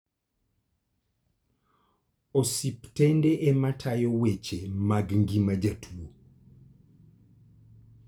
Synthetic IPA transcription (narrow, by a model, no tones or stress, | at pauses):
osiptɛndeʔɛmatʰajowet͡ʃemaɡŋɡimad͡ʒatʰwo